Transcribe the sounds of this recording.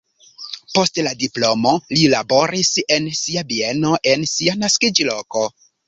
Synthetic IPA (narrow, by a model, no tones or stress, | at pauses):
po̞stladiplo̞mo̞lilabo̞ɾise̞nsiabieno̞ʔe̞nsianaskid͡ʒlo̞ko̞